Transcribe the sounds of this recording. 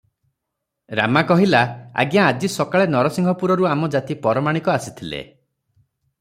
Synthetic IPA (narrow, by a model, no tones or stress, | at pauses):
ɾa̰makɔɦilaa̰ɡjaːd͡ʒisɔkaɭenɔɾɔsiŋɡʱɔpuɾɔɾuamɔd͡ʒat̪ipɔɾɔmaɽ̃ikɔasit̪ʰilḛ